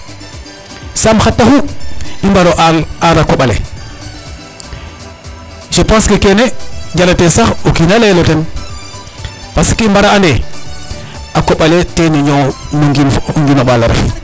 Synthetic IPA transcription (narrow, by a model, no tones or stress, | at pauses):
samxatːahuimbaɾoʔalaɾakoɓalḛ | ʃepãskekeneɲd͡ʒalatesaxokinaleloten | paskiimbaɾaande | akoɓaleteniɲomoŋɡinŋɡimaɓalaɾḛf